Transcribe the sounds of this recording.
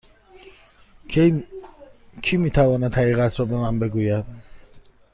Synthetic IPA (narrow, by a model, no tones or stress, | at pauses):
kʰimit̪ʰavɔnat̪ʰaiɣat̪ʰɾɔbɛmambɛɡuja